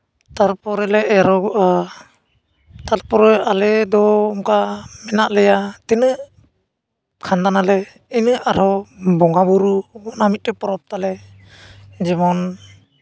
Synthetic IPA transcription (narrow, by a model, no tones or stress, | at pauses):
t̪aɾpɔɾɛlɛʔɛɾɔɡʔa | t̪alpɔɾɔalɛd̪ɔːmkamɛnaʔlɛjat̪inɯ | kʰand̪analɛ | inɯʔaɾɔbɔŋɡabuɾuɔnamit̪̚tɛpɔɾɔp̚t̪alɛ | d͡ʒɛmɔn